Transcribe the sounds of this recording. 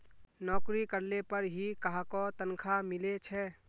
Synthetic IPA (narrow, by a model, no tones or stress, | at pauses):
nɔːkɾikəɾlepəɾɦikaɦakɔt̪ənkʰamɪlet͡ʃʰɛ